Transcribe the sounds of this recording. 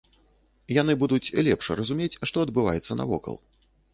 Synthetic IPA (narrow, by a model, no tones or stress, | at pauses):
janɨbud̪ut͡sʲlʲɛpʂrɐzumʲet͡sʲʂt̪ɔɐd̪̚bɨva̰jɛt̪sːɐnɐ̰vɔ̰kɐ̰lˠ